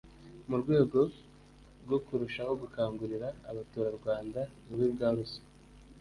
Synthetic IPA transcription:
muɾɡwe̞ːɡo̞ | ɾɡo̞kuɾuʃaho̞ɡukaːŋɡuɾiɾaːβatuːɾaɾɡwaːndanuβiːbɡaːɾusi̥

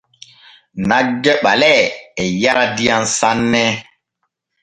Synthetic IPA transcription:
naɡɛɓalɛɛjaɾadijansanːɛ

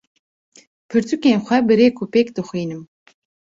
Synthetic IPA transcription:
pʰɨɾt̪ʰukeːnχʷɛbɨɾeːkʰupʰeːkd̪ɨχʷiːnɨm

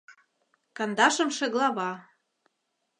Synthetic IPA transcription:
kɑnd̪ɑʃɤ̆mʃĕɣlɑβɑ

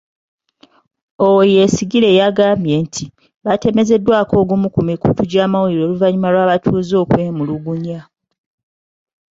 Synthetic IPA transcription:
owoje̞siɡile̞jaɡaːmbje̞ːntʰi | βate̞me̞ze̞dːwaːko̞ːɡumukumikutuɟaːmawuliɾo̞ːluvaɲumalwaːβatʰuːzo̞ːkwe̞ːmuluɡuɲa

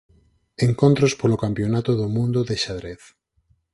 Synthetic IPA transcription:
eŋkont̪ɾospolokampjonat̪oðomũnd̪oðeʃaðɾeθ

